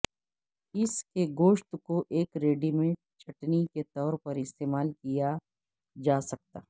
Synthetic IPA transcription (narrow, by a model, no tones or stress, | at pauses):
ɪskeɡoːʃt̪koʔeːkɾeːɖimẽʈt͡ʃʰɐʈniket̪ɔːɾpɐɾɪst̪eːmaːlkija | d͡ʒaːsɐk̚t̪aː